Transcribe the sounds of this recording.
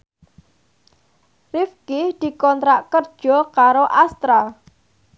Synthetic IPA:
rifkɪhd̪̥i̤kɔnt̪ɾaʔkərd̥ʒ̥ɔ̤kaɾoʔast̪ɾa

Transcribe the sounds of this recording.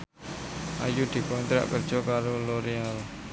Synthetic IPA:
ʔa̰jud̪̥i̤kɔnt̪ɾa̰ʔkərd̥ʒ̥ɔ̤kaɾoloɾial

